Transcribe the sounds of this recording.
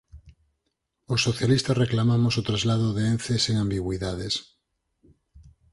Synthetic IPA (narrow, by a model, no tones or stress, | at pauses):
osːoθjalist̪areklamamosot̪ɾazlaðoðeen̟θeseŋambiɣwiðaðes